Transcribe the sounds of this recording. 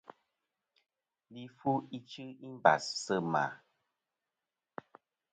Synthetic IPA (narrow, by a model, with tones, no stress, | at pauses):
li˦fu˦i˦t͡ʃɨ˦i˦m˦ba̰˨ssə˦ma̰˨